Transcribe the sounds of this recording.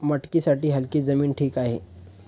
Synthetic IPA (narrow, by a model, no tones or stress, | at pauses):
məʈkisaʈiɦəlkid͡zəmiːnʈʰiːkaɦḛ